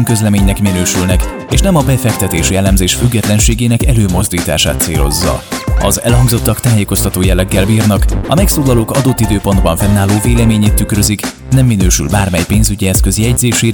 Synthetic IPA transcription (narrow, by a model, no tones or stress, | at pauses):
mkø̞zlɛmeːɲnɛkminøːʃylnɛk | eːʃnɛmɒbɛfɛkt̪ɛt̪eːʃjɛlːɛmzeːʃfyɡːɛt̪lɛnʃeːɡeːnɛkɛløːmo̞zd̪iːt̪a̰ːʃa̰ːt̪sḛːlo̞̰zːɒ̰ɒ̰zɛ̰lhɒŋɡzo̞t̪ːɒkt̪aːjeːko̞st̪ɒt̪oːjɛlːɛɡːɛlbiːrnɒkɒmɛksoːlɒloːkɒd̪o̞t̪ːid̪øːpo̞nd̪bɒɱfɛnːaːloːveːlɛmeːɲeːt̪ːykrøzik | nɛmːinøːʃy̰lbaːrmɛjpeːnzyɟiɛskø̞ziɛɟzeːʃeːɾ